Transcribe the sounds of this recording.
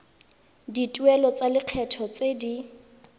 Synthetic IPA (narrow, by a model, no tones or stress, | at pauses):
ditʼwɛlɔt͡salɪq͡χʰɛtʰɔt͡sedi